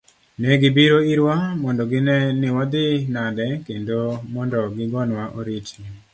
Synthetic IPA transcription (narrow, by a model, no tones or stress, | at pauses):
nɛɡɪbiɾoiɾwamɔndɔɡɪnɛnɪwɔd̪ɪnadɛkendomɔndɔɡɪɡɔnwaʔoɾiti